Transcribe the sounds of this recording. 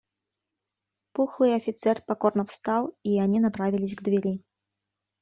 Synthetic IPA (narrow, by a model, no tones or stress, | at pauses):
puxlˠɨɐfʲit̪sɛrpakɔrnɐwst̪awianʲinapɾavʲilʲisʲɡd̪vʲɛɾʲi